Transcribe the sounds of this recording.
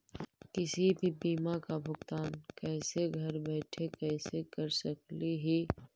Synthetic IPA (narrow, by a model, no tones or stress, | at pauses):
kɪsibʱibiːmakabʱʊɡt̪aːnkɛːseɡʱɐɾbɛːʈʰekɛːsekɐɾsɐkliɦi